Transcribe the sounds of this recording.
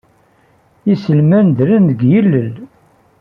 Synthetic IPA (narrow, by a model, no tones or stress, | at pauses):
isəlmænd̪ɾənðəɡjəlːəl